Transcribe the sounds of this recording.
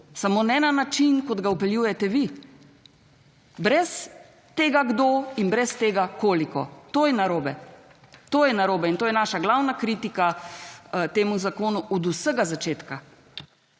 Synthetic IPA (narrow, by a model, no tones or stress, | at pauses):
samoːnɛnanat͡ʃinkɔd̪ɡaupɛljuːjɛt̪ɛʋi | bɾɛs | t̪eːɡaɡd̪oinbɾɛst̪eːɡakoːlikɔ̰t̪oːjɛnaɾoːbɛ | t̪oːjɛnaɾoːbɛint̪oːjɛnaːʃaɡlawnakɾiːt̪ika | t̪eːmuzakoːnuʔɔd̪usəɡazat͡ʃeːt̪ka